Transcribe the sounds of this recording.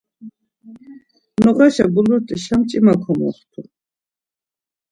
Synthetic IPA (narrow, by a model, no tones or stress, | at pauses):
nɔχaʃaɡuluɾt̪ʼiʃamt͡ʃʼimakʰɔmɔ̰st̪ʰu